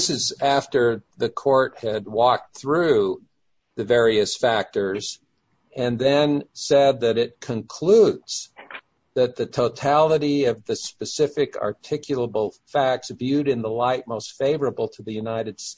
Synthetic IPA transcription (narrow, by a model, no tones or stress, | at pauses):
sɨzæftə˞ðɨkʰɔɹt̚hɨd̚wɔk̚θɹʉ | ðɨvɛɹiɨsfæk̚tə˞z | ɨ̃nðɨ̃nsɛd̪̚ðɨɾɪt̚kʰɨ̃nkʰl̥udz̥ | ðɨt̪̚ðɨtʰoʊtʰælˠəɾiʌvðɨspɨsɪfɨkʰɑ̰˞tʰɪkʰjl̩ˠəbl̩ˠfæk̚tsvjʉɾɨ̃nðəlaɪt̚moʊstfeɪvə˞əbl̩ˠtʰəðɨjʉnaɪɾɨd̥s